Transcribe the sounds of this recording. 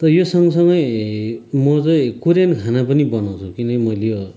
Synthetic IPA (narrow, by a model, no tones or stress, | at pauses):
t̪ʌjosʌŋɡʌsʌŋɡʌj | mʌt͡sʌj̃kuɾankʰanapʌnibʌnaw̃t͡sʰukinʌkimʌjlejo